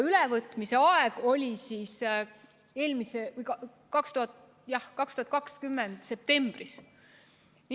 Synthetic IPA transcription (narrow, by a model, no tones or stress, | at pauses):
ylɛvɤt̪ˑmise̞ɑeɡ̥o̞lʲisiːs | e̞ːlmisevɯjkɑ | kɑkst̪uhɑt̪ | jɑhkɑkst̪uhɑt̪̚kɑkskymːend̪̥se̞p̚t̪e̞mb̥ris | n